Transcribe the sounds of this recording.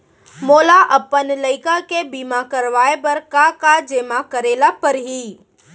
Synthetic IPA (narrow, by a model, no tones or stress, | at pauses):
moːlaʔɐpːənləɪkakebiːmakəɾʋaːebɐɾkakad͡ʒeːmakəɾeːlapɐɾɦiː